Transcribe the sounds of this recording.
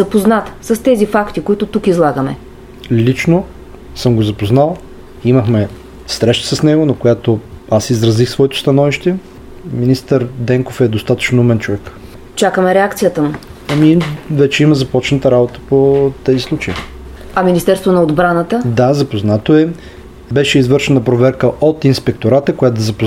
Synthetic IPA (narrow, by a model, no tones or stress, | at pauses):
zɐpoznat̪səst̪ɛzifakt̪ikoit̪ʊt̪ukizlˠaɡəmɛ̰ | lit͡ʃno | səmɡozɐpoznalˠ | iməxmɛ | sɾɛʃt̪ə̥səsnɛɡonɐkojat̪oasizɾɐzixsvɔɛt̪ʊ̥st̪ɐnɔviʃt̪ɛ | minist̪əɾd̪ɛŋkofɛd̪ost̪at̪ə̥t͡ʃnumɛnt͡ʃovɛk | t͡ʃakəmɛɾɛakt̪sijət̪əm | ɐmivɛt͡ʃɛimɐzɐpɔt͡ʃnət̪əɾabot̪ə̥pot̪ɛzislˠut͡ʃɐjḭ | ɐminist̪ɛɾst̪vonɐod̪bɾanət̪əd̪azɐpoznat̪oɛ | bɛʃɛizvɤɾʃɛnəpɾovɛɾkəʔot̪inspɛk̚t̪oɾat̪əkojat̪od̪ɐzɐpo